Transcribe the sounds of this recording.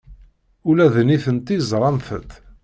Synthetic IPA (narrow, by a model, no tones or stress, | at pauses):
ʊlæðniθənt̪izˤɾˤɑmθət̪